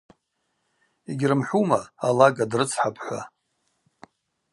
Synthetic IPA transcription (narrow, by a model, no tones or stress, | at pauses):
iɡʲrɨmħʷumaːlaɡadrɨt͡sʰħapʰħʷa̰